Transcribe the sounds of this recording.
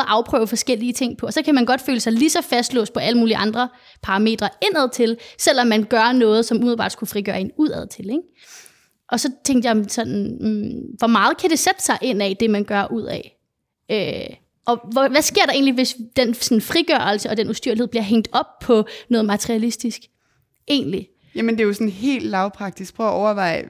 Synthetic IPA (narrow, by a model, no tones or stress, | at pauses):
ʔɑ̈ʊpʰʁœ̰ːʊfɒ̽sɡ̥el̰iət͡sʰe̝ŋ̰pʰɒ̽ɒ̽sɒ̽kʰæmænɡ̥ɒ̽d̥føːləsɑ̈ɪlisɒ̽fæsd̥lɔ̰̽ːspʰɒ̽ʔæləmuːliʔɑ̈nd̥ʁɐ | pʰɑ̈ʁɑ̈me̝̰ːd̥ʁɐe̝n̰æð̞ˠt͡sʰe̝lsel̰ɒmːænɡ̥ɶɐnɔ̽ːð̞̩ˠsɒ̽mumɪð̩ˠbɑ̰̈ːd̥skufʁiɡ̥ɶːɐenuð̰ˠæð̞̰ˠt͡sʰe̝leɡ̥ | ʔɒ̽sɒ̽t͡sʰeŋd̥jɑ̈sɒ̽nn | ʋɒmɑ̈ːð̞̩ˠkʰæd̥e̝sed̥ə̥sɑ̈ɪʔe̝n̰ɛd̥e̝mænɡ̥ɶɐʔuð̞̰ˠɛ̰ | øː | ʔɒ̽ʋæsɡ̥e̝ɐ̰ɾ̥ɑ̈e̝̰ːnliʋe̝sd̥ensɒn̩fʁiɡ̥ɶɐl̩səɒ̽d̥enusd̥yɐliheð̰ˠbliɐɦeŋ̰d̥ɒ̽b̥̚pʰɒ̽nɔ̽ːð̩ˠmæt͡sʰʁiælisd̥isɡ̥ | e̝̰ːnli | jæmənd̥ejosɔnɦe̝̰ːld̥lɑ̈ʊpʰʁɑ̈ɡ̥̚d̥isɡ̥̚pʰʁœːʔɒʊɐʋɑ̈ɪ̰